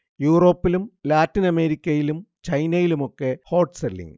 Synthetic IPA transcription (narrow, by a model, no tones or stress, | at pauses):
juːro̞ːpːilumlaːtːinɐme̞ːɾikʲːɐjilumt͡ɕɐjnɐjilumo̞kːeho̞ːʈselːḭŋ